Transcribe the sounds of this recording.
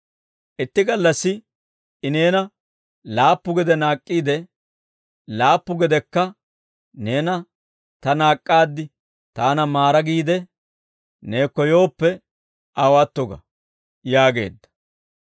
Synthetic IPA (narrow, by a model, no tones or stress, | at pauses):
ʔɪt̪ːɪɡɐlːɐsːɪ | ɪne̞ːnɐ | laːpːʊɡɛd̪ɛnaːkʼːiːd̪ɛ | laːpːʊɡɛd̪ɛkːɐ | ne̞ːnɐ | t̪ɐnaːkʼːaːd̪ːɪ | t̪aːnɐmaːɾɐɡiːd̪ɛ | ne̞ːkːɔjo̞ːpːɛ | ʔɐwat̪ːɔɡɐ̰ | jaːɡe̞̰ːd̪ːɐ̥